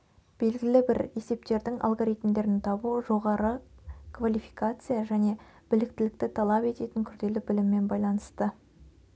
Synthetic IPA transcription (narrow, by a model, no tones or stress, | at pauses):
b̥e̞lɡʲɪlɪbɪɾe̞se̞p̚t̪e̞ɾd̪ɪŋʔa̰lˠɡo̞ɾijt̪md̪e̞ɾɪnt̪ʰɑbuʒo̞ʁɑɾəkvalʲijfikat̪sɨjaʒæne̞ | b̥ɪlɪk̚t̪ɪlɪk̚t̪ɪt̪ʰɑlˠɑpe̞t̪e̞t̪ɪŋkʲʰʏɾd̪e̞lɪbɪlɪmːe̞nbɑjlˠɑnəst̪ə